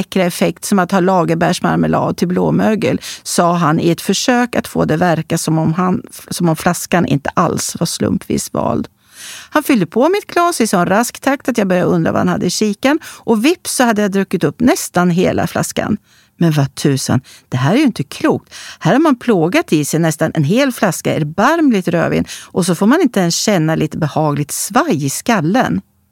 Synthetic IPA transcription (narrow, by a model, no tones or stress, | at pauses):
ɛkɾaɛfɛkt̪sɔmat̪hɑːlɑːɡəbæʂma̰ɾməlɑ̰ːd̪̚t̪ʰɪlblo̰ːmøːɡəlsɑːɦanɪɛt̪fœʂøːkat̪foːd̪ɛvæɾkasɔmɔansɔmɔmflaskanʔɪ̰nt̪ə̥ʔa̰lsvaʂlɵ̰mpvḭːsvɑ̰ːld̪ | hanfʏld̪əpʰɔmɪt̪̚kʰlɑːsɪsɔnɾaskt̪ʰak̚t̪at̪jɑːɡbœɾjaəɵnd̪ɾa̰va̰hanha̰d̪ːəɪɕiːkanʔɔvɪpsɔhad̪ːəjad̪ɾɵkːɪt̪ɵpːnɛst̪anɦeːlʔa̰fla̰ska̰n | mɛnvat̪ʰʉ̟ːsa̰nd̪̥ɛɦæːɾɛɾjɵɪnt̪əkʰluːk̚t̪hæːɾhaɾmanpʰloːɡat̪ɪsɛjnɛst̪anʔɛ̰nɦeːlflaskaɛɾbaɾmlɪt̪ɾø̰ːvɪ̰ːnʔɔs̬ɔfoːɾmanɪnt̪əɛnsɕɛnːaliːt̪əbɛhɑːɡlɪɡ̚t̪svajɪskalːə̰n